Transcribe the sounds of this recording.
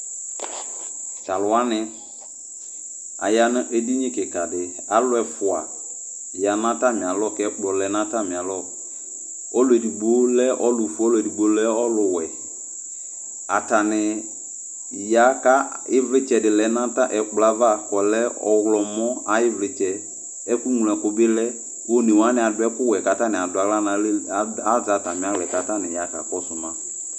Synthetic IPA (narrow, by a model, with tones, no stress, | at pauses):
t͡ʃa˨lʊ˨a˦nɪ̃˦ | a̰˨ja˨nʊ̃˦ʔe˦di˦ɲɪ̃˦kɪ˨ka˨dɪ˨ | a˨lʊ˦ɛ˨fʊ˨a̰˨ | ja˨nã˦ta˦mɪ̃˨a˨lɔ˦˨kɛ˦k͡plɔ˨lɛ˨nã˦ta˦˨mɪ̃˨a˨lɔ˦˨ | ɔ˦lʊ˨˦ɛ˨di˨ɡ͡bo˦lɛ˦ʔɔ˦lʊ˨fu˦ɔ˦lʊ˨ɛ˨di˨ɡ͡bo˨lɛ˦ɔ˦lʊ˨wɛ˨ | a˨ta˨nɪ˨ | ja˨˦ka˦ɪ˦vlɪ˦t͡ʃɛ˨dɪ˨lɛ˨˦nã˦ta˦ʔɛ˨k͡pla˨˦va˦˨kɔ˨lɛ˦ɔ̰˨wlɔ˨mɔ˦a˨˦jɪ˦vlɪ˨t͡ʃɛ˨ | ɛ˦ku˦ŋu˨lɛ˨kʊ˦bɪ˦lɛ˦ | o˦ne˨wa˦nɪ˨a˨dʊ˦ɛ˦kʊ˦wɛ˨ka˨ta˦nɪ̃˨a˨dʊ˨˦a˨˦la˦na˨˦a˦za˨ta˨mɪ̃˨˦a˦lɛ˨ka˨ta˦nɪ˨ja˨˦ka̰˨kɔ˦sʊ˨mã˨